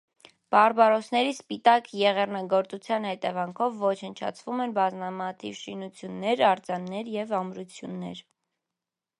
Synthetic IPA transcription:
b̥ɑrbɑɾɔsʰnɛɾispit̪ɑkjɛʁɛrnɑɡɔɾt͡sut͡sʰjɑnhɛt̪ɛvɑŋkʰɔvːɔt͡ʃʰənt͡ʃʰɑ̰t͡sʰvumɛnbɑzmɑmɑt̪ʰivʃinut͡sʰjunːɛɾɑɾt͡sɑnːɛɾjɛvɑmɾut͡sʰjunːɛ̰ɾ

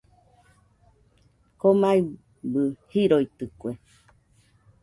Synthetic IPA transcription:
komai | bɨhiɾoit̪ɨkʷe

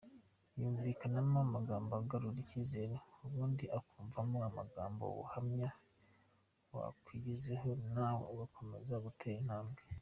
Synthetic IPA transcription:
juːɱvikanamamaɡaːmboaɡaɾuɾicizeɾeuβuːndiʔakuːɱvamuama̰ɡa̰ːmbo̰βṵhamɲa | wa̰kwiɟizeho̞nawo̰uɡakʰo̞me̞̰zaɡutʰeɾin̥haːmɡe

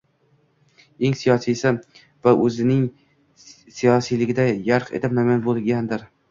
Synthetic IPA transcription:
eŋsijɒsijsɪ | vaʔɵzɪnɪŋ | sijɒsijlɪɡʲɪd̪ajaɾqḛt̪ʰɪmamanbolˠɡʲand̪ɪɾ

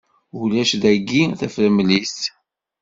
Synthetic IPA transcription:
ulæʃðæɡːiθæfəɾmlist̪

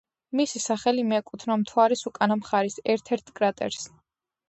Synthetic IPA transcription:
misisaχɛlimɛkʼut̪ʰnamt̪ʰwaɾisukʼanamχaɾisɛɾt̪ʰɛɾt̪ʰkʼɾat̪ʼɛ̰ɾs

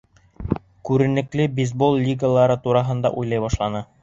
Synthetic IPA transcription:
kʉɾɘ̆nɘ̆klɘbʲizbolˠlʲiɡəlˠɑɾɤt̪uɾɑɦɤ̆nd̪ɑ̰ʔujlˠɑjbɑʃlˠɑnɤ

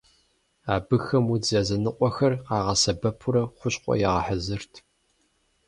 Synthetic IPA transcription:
aːbɨxɐmud͡zɐzɐnɨqʷʼɔxɐrɑːʁɐsɐbɐpʰʊɾɐχʷʊɕqʷʼɔ̰jɛʁɐħəzɨrtʰ

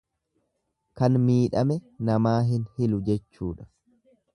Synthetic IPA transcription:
kɐnmiːᶑɐmɛnɐmaːɦɪnhɪlʊd͡ʒɛt͡ʃːṵːᶑɐ̥

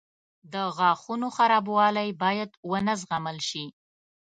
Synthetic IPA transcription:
d̪əɣɑxunoxaɾɑbwɑlajbɑjad̪wənəzɣaməlʃi

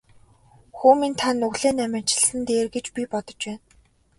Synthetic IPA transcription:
xuːmint̪ʰanːɵɣɮeːnæmʲɪ̆nt͡ɕɪ̥̆ɮsɘ̆nt̪eːrɡet͡ɕpʲipɔt̪ɞ̆t͡ɕpæːn

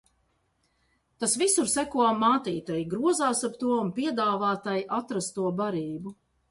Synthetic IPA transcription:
t̪asvisuɾsækuɔmaːt̪iːt̪ajɡɾuɔzaːsapt̪uɔunpiɛd̪aːvaːt̪ajiʔat̪ɾast̪uɔbaɾiːbu

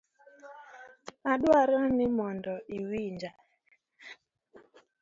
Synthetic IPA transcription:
aɗwaɾɔnɪmɔndɔiwind͡ʒa

